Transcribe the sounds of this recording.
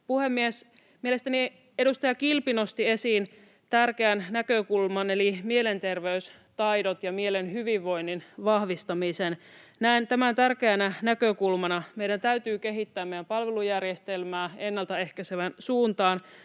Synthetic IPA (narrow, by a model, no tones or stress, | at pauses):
puhemːies | miele̞st̪æni | eɾust̪ɑjɑkilpino̞st̪ie̞siːn | t̪ærk̟eænnækøkulmɑne̞limiele̞nt̪e̞rʋeys | t̪ɑjdot̪jɑmielenɦyʋiʋːo̞jnːinʋɑhʋist̪ɑmisennæint̪æmænt̪ærkeænænækøkulmɑnɑmeiɾænt̪æyt̪yːke̞ɦit̪ːæːmejdæmpɑlʋelujærjest̪elmæːenːɑlt̪ɑe̞hkæseʋænsuːnt̪ɑːn